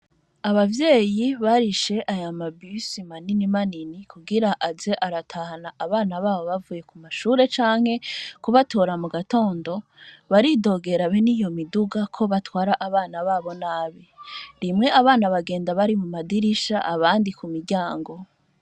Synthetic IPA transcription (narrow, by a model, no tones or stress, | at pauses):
aβavje̞ːjiβaɾiʃe̞ʔajamabysimaninimaninikuɡiɾaʔaze̞ʔaɾatʰaːhanaʔaβaːnaβaːβo̞βavuːje̞kumaʃuːɾe̞t͡ʃaːŋ̥he̞kuβatʰo̞ːɾamuɡato̞ːndo̞βaɾido̞ːɡe̞ɾaβenijo̞miduɡakʰo̞βatwaːɾaʔaβaːnaβaːβo̞naβiɾimŋe̞ʔaβaːnaβaɡe̞ːndaβaɾimumadiɾiʃa̰ʔaβaːndikumiɾɟaːŋɡo̞